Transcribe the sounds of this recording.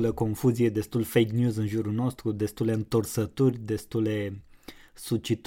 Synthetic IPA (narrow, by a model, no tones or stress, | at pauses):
ləko̞nfuzije̞d̪e̞st̪ulfejknjuzɨnʒuɾuno̞st̪ɾud̪e̞st̪uleɨnt̪ərsət̪urʲd̪e̞st̪uld̪e̞ | sut͡ʃit̪